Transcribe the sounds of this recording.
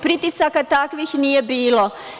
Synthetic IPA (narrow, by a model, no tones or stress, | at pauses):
pɾit̪isakat̪akʋixnijebiːlo